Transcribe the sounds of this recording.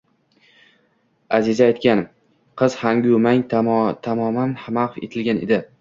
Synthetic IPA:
azɪzaːjt̪kʲan | qʰɨzhaŋɡʲʊmaŋt̪ʰamɒmanhamaqḛt̪ʰɪlɡʲaned̪ɪ

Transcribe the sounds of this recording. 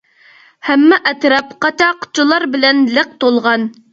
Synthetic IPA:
hæmːɛʔɛt̪ɾɛpqɑt͡ʃɑqʰʊ̥t͡ʃʰulˠɑɾbɪlɛnlɪq̚t̪olˠʁɑn

